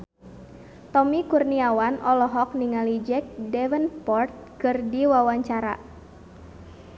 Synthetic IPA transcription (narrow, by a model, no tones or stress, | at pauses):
t̪ɔmikurniawanʔɔlɔɦɔk̚niŋalid͡ʒɛk̚dɛwənpɔrt̪̚kɨrdiwawaɲt͡ʃaɾa̰